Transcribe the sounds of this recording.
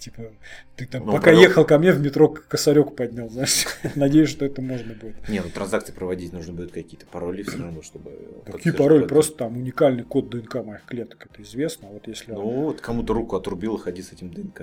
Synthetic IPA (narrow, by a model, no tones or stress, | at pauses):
tʲipət̪ɨt̪amnpɐkajexəlˠkɐmnʲevmʲɪt̪ɾo̞kkːəsɐɾʲo̞kpɐd̪ʲnʲalˠznajɪʂsnɐdʲejɪʂt̪oɛt̪əmo̞ʐnəbudʲɪt̪nʲenut̪ɾɐnzak̪sɨɪpɾəvɐdʲitʲnuʐnəbud̪ʲʊt̪kɐkʲijət̪ə̥pɐɾolʲɪfssʲəɾɐvnoʂt̪obɨ̰k̪ɐkʲijpɐɾo̞lʲɪpɾo̞st̪ə̥t̪amʊnʲɪkalʲnɨjko̞d̪̚d̪ɨɛnkamɐixklʲe̞t̪ə̥kɛt̪əɪzvʲe̞snəɐvo̞t̪jesʲlʲɪnuot̪kɐmut̪əɾukʊɐt̪ɾʊbʲilˠəxɐdʲisɛtʲɪmd̪ɨɛnka